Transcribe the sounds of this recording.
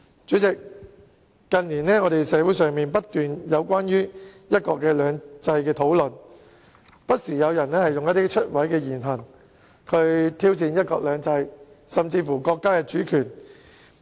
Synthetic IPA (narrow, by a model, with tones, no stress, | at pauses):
t͡ʃyː˨˥t͡sɪ˨k̚ː | ɐ˨nliː˨˩nɛː˥ŋɔː˨˧ɾe˨jsɛː˨˧˥wu˨˥js̬œː˨ŋmiː˨npɐ˥t̚t̪ːyː˨njɐ˨˧wkʷwaː˥nɥyː˥jɐ˥t̚kɔː˧kːɛː˧lœː˨˧ŋt͡sɐ˧jkɛː˧t̪ʰo˨˥wlɵ˨˩n | pɐ˥t̚siː˨˩jɐ˨˧wjɐ˨˩nɛː˥hɐ˨jʊ˨ŋjɐ˥t̚t̪iː˥t͡ʃʰɵ˥t̚wɐ˨˥jkɛː˧jiː˨˩nɦɐ˨˩ŋ | kʰɵ˧ɥt̪ʰiː˥wt͡siː˧njɐ˥t̚kɔ̰ː˧k̚lœː˨˧ŋt͡sɐ˧j | sɐ˨˩mt͡siː˧fuː˨˩kɔː˧kːaː˥kɛː˧t͡ʃyː˨˥kʰyː˨˩n